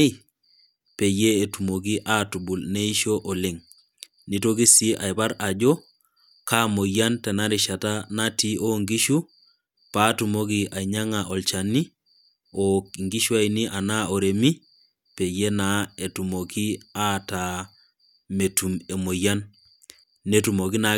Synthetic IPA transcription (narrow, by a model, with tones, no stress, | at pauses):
pe˨jeː˦˨tu˨mo˨ɡi˦ʔa˦tu˨bu˨lne˦i˦ʃo˦ʔo˨le˦ŋ | ni˦to˦ɡi˦si˦ʔa˨jba˦ɾa˨d͡ʒo˦ | ka˦mo˨ja˦ntɛ˨na˦ɾi˨ʃa˨tanati˦ʔo˦ŋɡi˦ʃu˦ | pa˦tu˨mo˦ɡi˦ʔa˨iɲa˦ŋaʔɔ˨lt͡ʃa˨ni˦ | ɔkŋɡi˦ʃu˦a˨ini˦ʔa˨na˦o˨ɾe˨mi˦ | pe˨je˦nae˨tu˨mo˨ki˦a˦ta˨ | me˨tume˨mo˨ja˦n | ne˦tu˨mo˨ɡi˦na